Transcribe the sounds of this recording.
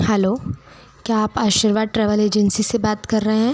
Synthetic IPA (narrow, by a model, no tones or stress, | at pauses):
hɛloː | kjaːpaːʃiɾʋaːd̪̚ʈɾɛːʋəleːd͡ʒənsisebaːt̪kɐɾːɐɦeɦɛ̃ː